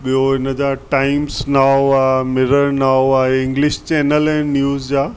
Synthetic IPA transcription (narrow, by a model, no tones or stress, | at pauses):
ɓijoɦɪnəd͡ʑaːʈaːɪmsnaːʋaːmɪɾəɾnaːwaːɪ̃ŋɡlɪʃt͡ɕɛːnəlɛ̃ːnjuːzd͡ʑaː